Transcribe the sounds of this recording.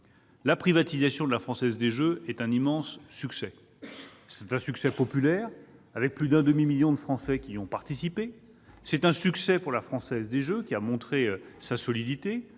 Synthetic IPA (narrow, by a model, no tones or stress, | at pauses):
lapχivat̪izasjɔ̃d̪əlafχɑ̃sɛzd̪eʒøɛt̪ɛ̃nimɑ̃sːyksɛ | sɛt̪ɛ̃syksɛpɔpylɛːʁ | avɛk̚plyd̪ɛ̃d̪əmimiljɔ̃d̪əfχɑ̃sɛkʲiɔ̃paʁt̪isipe | sɛt̪ɛ̃syksɛpuʁlafχɑ̃sɛzd̪eʒøkʲiamɔ̃t̪χesasɔlid̪it̪e